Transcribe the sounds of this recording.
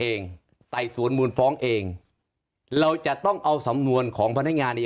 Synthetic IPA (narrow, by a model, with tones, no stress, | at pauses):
ʔeː˧ŋ | t̪a˨˩jsu˩˦ənmuː˧nfɔː˦˥ŋʔeː˧ŋ | ɾa˧wt͡ɕa˨˩ʔt̪ɔ˥˩ŋʔa˧wsa˩˦mnu˧ənkʰɔː˩˦ŋpʰa˧nːa˦˥ŋaː˧nːa˧